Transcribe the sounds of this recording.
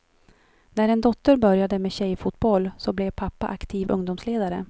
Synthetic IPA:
næɾɛnd̪ɔt̪ːəɾbœɾjad̪əmeːɕɛjfut̪̚bɔlːsɔblɛvpʰapːa̰ʔakt̪ʰiːvɵ̰ŋd̪ʊmsleːd̪aɾə

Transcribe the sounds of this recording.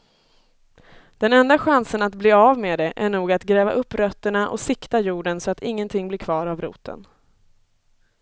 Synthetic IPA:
d̪̥ɛnɛnd̪aɧansənat̪bleːavmeːd̪ɛʔæɳuːɡat̪ɡɾɛːva̰ʔɵpːɾœt̪ːəɳaʔɔ̰sɪkt̪ajuːɖənsɔat̪ɪŋːənt̪ʰɪŋːblɪɾkʰvɑːɾavɾṵːt̪ʰə̰n

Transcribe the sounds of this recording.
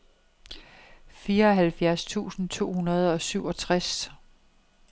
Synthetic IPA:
fiːɐɒ̽ɦælfjæɐst͡sʰṵːsn̩t͡sʰo̝̰ːhunɐð̞ˠɒ̽syʊɒ̽t͡sʰʁas

